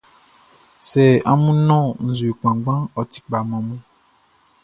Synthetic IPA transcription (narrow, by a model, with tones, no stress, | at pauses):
sɛ˨a˦mũ˦nɔ̃˦˨n̩˨zu˨e˨k͡pã˨ɡ͡bã˦ɔ˨t̪i̥˨k͡pa˨mɔ̃˨mũ˦